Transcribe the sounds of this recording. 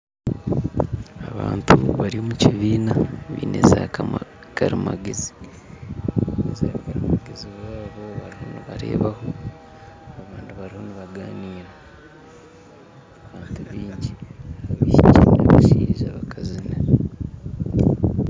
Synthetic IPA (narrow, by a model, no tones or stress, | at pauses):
aβaːntuβaɾiomuciβiːnaβḭːnezakama | kaɾimaɡezi̥ | inezaːβikaɾimaɡeziβaːβo̞βaɾiho̞niβaɾe̞̰ːβaho̞ː | βaːndiβaɾiho̞niβaɡaːniːɾa | aβaːntuβiːɲɟiaβiʃicinaβaʃiːʒaβakʰazine